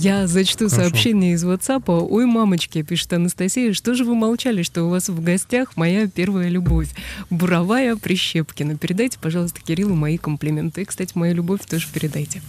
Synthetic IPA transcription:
jazət͡ɕɪ̥t̪usɐːpɕːenʲɪjəɪzvot̪sapəojmamət͡ɕkʲɪpʲiʂɨ̥t̪ɐnəst̪ɐsʲijəʂt̪o̞ʐɨvɨmɐlˠt͡ɕalʲɪʂt̪o̞ʊvasvɡɐsʲtʲaxmɐjapʲe̞rvəjəlʲʊbo̞fʲbʊɾɐvajəpɾʲɪɕːe̞pkʲɪnəpʲɪɾʲɪd̪ajtʲɪ̥pɐʐɑlˠəst̪ə̥kʲɪɾʲilˠʊmɐikəmplʲɪmʲent̪ɨikst̪atʲɪmɐjalʲʊbo̞fʲt̪oʐɨpʲɪɾʲɪd̪ajtʲɪ

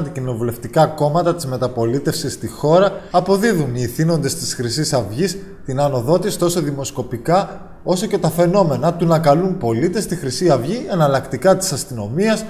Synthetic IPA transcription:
t̪icino̞vule̞ft̪ikɐko̞mɐt̪ɐt̪izme̞t̪ɐpo̞lit̪e̞fsist̪ixo̞ɾɐːpo̞ðiðuniːθino̞nd̪e̞st̪isxɾisisɐvʝis | t̪inɐno̞ðo̞t̪isi̥t̪osoðimo̞sko̞pikɐ | o̞so̞ce̞t̪ɐfe̞no̞me̞nɐt̪unɐkɐlunpo̞lit̪e̞st̪ixɾisiɐvʝienɐlɐkt̪ikɐt̪i̥sɐst̪ino̞miɐs

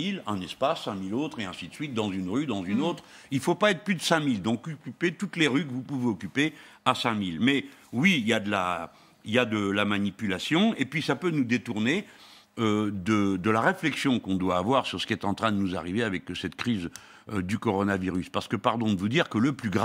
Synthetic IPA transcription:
ilɛ̃nɛspasːɛ̃milot̪χeɛ̃sid̪əsɥit̪̚d̪ɑ̃zynʁyd̪ɑ̃zynot̪χilfopaɛt̪χplyd̪əsɛ̃mild̪ɔ̃kykʲypet̪ut̪leʁykəvupuveɔkʲype | asɛ̃milmɛwiiljad̪əla | iljad̪əlamanipylasjɔ̃epɥisapønud̪et̪uʁne | ød̪əd̪əlaʁeflɛksjɔ̃kɔ̃d̪waːvwaʁsyʁsə̥kʲiɛt̪ɑ̃t̪χɛ̃d̪ənuza̰ʁiveavɛksɛt̪kχiz | d̪ykɔʁɔnaviʁyspaʁsə̥kəpaʁd̪ɔ̃d̪əvud̪iʁkələplyɡʁ

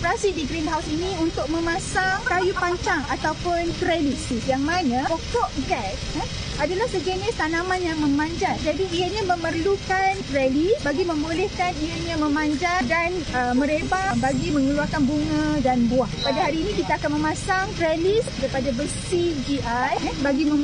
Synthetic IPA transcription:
ɔpəɾasidiɡɾinɦawsinĩunt̪ʊk̚mə̃mãsaŋkajupaɲt͡ʃaŋat̪awpʊnt̪ɾɛlisijaŋmanãpɔkɔʔɡɛs̚ | adalahsəɡenast̪anamãnjaŋmə̃mãɲd͡ʒand͡ʒadiiaɲamə̃mərlukant̪ɾɛlisbaɡimə̃mbolɛhkanijaɲãmə̃mãɲd͡ʒadanəmə̃ɾebambaɡimə̃ŋəluakanbuŋãdanbuahpadaɦaɾiːnĩkit̪aakanmə̃mãsaŋt̪ɾɛlisdəɾipadabəsid͡ʒiʔajbaɡimə̃

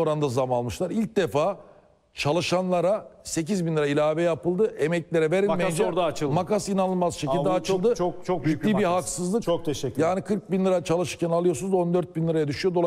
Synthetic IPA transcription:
oɾand̪azamalˠmɯʃlˠaɾilʲc̚d̪e̞faː | t͡ʃʰalˠɯʃanlˠaɾase̞cizbinlʲˠɯɾailʲaːvejapɯlˠd̪ɯʔemɛclʲe̞ɾɛve̞ɾimed͡ʒɾd̪at͡ʃˠmakasinanɯlˠmazʃeild̪ɛat͡ʃʰɯlˠd̪ɯt͡ʃʰokt͡ʃʰokd͡ʒit̪ːiːbiɦaksɯzlˠɯkok̚t̪ʰɛʃɛjaːnikʰɯɾk̚binlˠɯɾat͡ʃʰalˠɯʃɯɾcʲʰɛnalˠɯjosunzo̞nd̪øɾt̪̚binlˠɯɾajad̪yʃyjo̞d̪olˠ

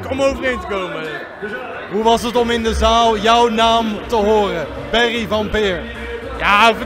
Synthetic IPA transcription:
kɔmowvərejntəkowmə | ɦuʋɑsətɔmɪndəzaːlˠjɔwnaːmtəɦoːrə | bɛrivɑnpɪːɹ | jaː

